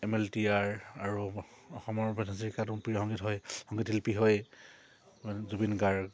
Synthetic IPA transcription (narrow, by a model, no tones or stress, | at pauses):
ɛmɛltiaɹaɹuɔxɔmɔɹbɛnʱaziɹkatupijɔhɔŋɡitɦɔjhɔŋɡitʰilpiɦɔj | zubinɡaɹ